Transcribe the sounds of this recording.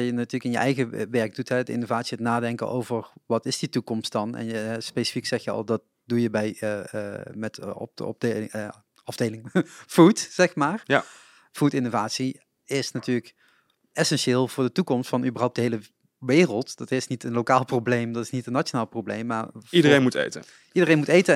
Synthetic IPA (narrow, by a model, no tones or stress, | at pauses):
jənatyːɹləkɪnjəʔɛjɣəʋɛɹɡ̚dutɦɛtɪ̰novaːtsiətnaːdɛŋkə̰ʔo̰wvəɹʋɑtɪsditukɔmstdɑnɛ̰njəɦɛspejsi̥fiksɛxjəɑ̰lˠdɑt̚ | dujəbɛj | mɛtɔ̰pɔ̰pd | ɑvdejlɪŋfutsɛxmaːr | futɪnovaːtsi | ɪsnatyːɹlək | ɛsɛnʃɪːlˠvʊːɹdətukɔmstfɑnybərɦʌwp̚dəɦejlə | ʋɪːrəlˠtdɑtɪsnitənlokaːlˠproblejmdɑtɪsnitənːat͡ʃonaːlˠprowblejmːaːɹidəɾejnmutḛjtə̰ | idərejnmutejtə